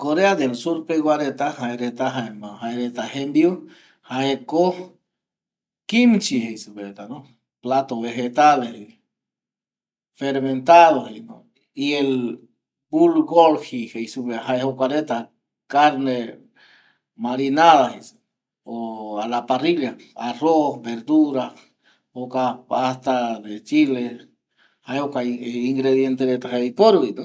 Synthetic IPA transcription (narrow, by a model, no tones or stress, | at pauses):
koɾead̪elsuɾpeɣwaɾet̪ahaeɾet̪aɦaemahaeɾet̪ahembiu | haeko | kimt͡ʃihejsuβet̪ano | plat̪oβexet̪alehi | feɾment̪aðohejno | iel | bulɡolhihejsuβehaehokaɾet̪a | kaɾne | maɾinaðahi | oalapariljaarosbeɾd̪uɾa | hokaast̪aðet͡ʃile | haehokaiŋɡɾeðjent̪eɾet̪aheipoɾit̪o